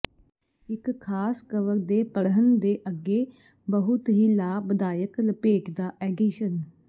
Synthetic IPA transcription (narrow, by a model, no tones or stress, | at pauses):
ɪkkʰaːskəʋəɾd̪eːpəɽɦənd̪eːʔəɡːeː | bəɦʊt̪ɦiːlaːbəd̪aːjəkləpeːkd̪aːʔɛːɡiːʃən